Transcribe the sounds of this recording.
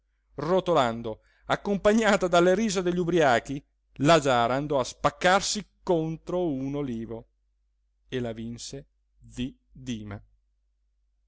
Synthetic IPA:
rot̪oland̪o | akːompaɲːaːt̪ad̪alːeɾiːzod̪eʎːubɾiaːk̟i | lad͡ʒaːɾaːnd̪ɔaspakːarsikont̪ɾounoliːvo | elavinse | d̪i | d̪iːma

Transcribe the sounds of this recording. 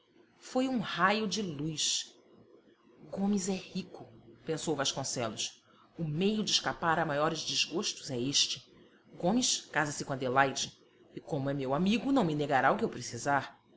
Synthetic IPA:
fojũhajʊd͡ʒɪlujs | ɡõmɪzɛhikʊpẽsowvaʃkõsɛlʊs | ʊmejʊd͡ʒɪʃkapaɾamajɔɾɪzd͡ʒɪzɡoʃt̪ʊzɛeʃt͡ʃɪ | ɡõmɪʃkazɐsɪkõɐd̪elajd͡ʒɪ | ɪkõmʊɛmewamiɡʊnɐ̃w̃mɪneɡaɾaʊkɪewpɾesizaɾ

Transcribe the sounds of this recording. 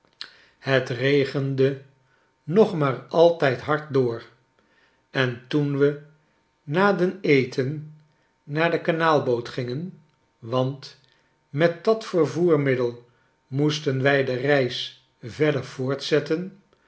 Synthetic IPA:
hətrejχəndə | nɔχmaːɹɑlˠtɛjtɦɑɹt̚dʊːɹ | ɛntunʋə | naːdənejtʰənː | aːɹdəkanaːlˠbowtχɪŋən | ʋɑnt | mɛt̚dɑtfəɹvuːɹmɪdəlˠ | mustənʋɛjdərɛjs | vɛdəɹv̥ʊːɹtsɛtən

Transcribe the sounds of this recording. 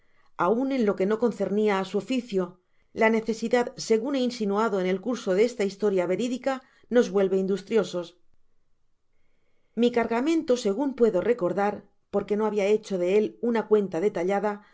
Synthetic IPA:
aunẽ̞nlo̞ke̞no̞ko̞n̟θe̞ɾniaːsuofiθjo | lane̞θe̞siðaðse̞ɣune̞insinuaðo̞ene̞lkuɾso̞ðeest̪aist̪o̞ɾjaβe̞ɾiðika | no̞zβwe̞lβe̞ind̪ust̪ɾjo̞so̞s | mikaɾɣamẽ̞nt̪o̞se̞ɣumpwe̞ðo̞re̞ko̞ɾðaɾ | po̞ɾke̞no̞aβ̞iae̞t͡ʃo̞ðe̞e̞lunakwe̞nt̪aðe̞t̪aʎaða

